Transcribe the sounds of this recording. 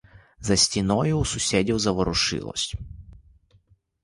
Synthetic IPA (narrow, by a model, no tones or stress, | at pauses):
zɐsʲtʲinɔjʊːsʊsʲedʲiwzɐʋɔɾʊʂɨ̰lˠɔ̰sʲ